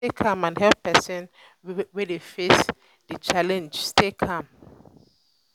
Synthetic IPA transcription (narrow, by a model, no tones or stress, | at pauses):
ekʰãmãnɦɛlppɛsɔ̃n | wedefes | d̥it͡ʃalɛ̃nd͡ʒstekʰãm